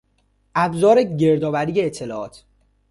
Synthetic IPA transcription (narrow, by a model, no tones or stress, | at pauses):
ʔæbzɒːɾeɟe̞ɾd̪ɒːbæɾiːjeːt̪ʰːe̞lɒːʔɒ̰ːt̪ʰ